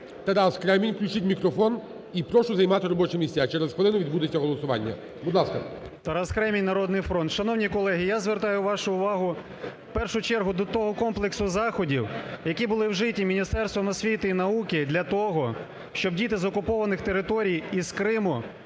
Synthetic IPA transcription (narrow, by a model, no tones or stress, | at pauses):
t̪ɐɾɑskɾɛmʲinʲklʲut͡ʃɪtʲmʲikɾɔfɔn | ipɾɔʃʊzɐjmɑt̪ɪɾɔbɔt͡ʃɛmʲisʲt͡sʲat͡ʃɛɾɛzxʋelˠɪnʊʋʲid̪bud̪et͡sʲːɐɦɔlˠɔsʊʋɑ̰nʲːɐ̰ | bʊd̪lˠɑskɐ | t̪ɐɾaskɾɛmʲijnɐɾɔd̪nɪjfɾɔnt̪ʃɐnɔwnʲijkɔlˠɛɦʲijazʋert̪ɑjʊʋɑʃʊʊʋɑɦʊ | pɛrʃʊt͡ʃɛrɦʊd̪ɔt̪ɔɦɔkɔmplˠeksʊzɑxɔdʲiwjɐkʲibʊlˠɪwʒɪtʲːimʲinʲist̪ɛrst̪ʋɔmɔsʲʋʲit̪ɪinɐukɪd̪ʲlʲɐt̪ɔɦɔ | ʃt͡ʃɔbdʲit̪ɪzɔkʊpɔʋɐnɪxt̪eɾɪt̪ɔɾʲijiz̥kɾɪmʊ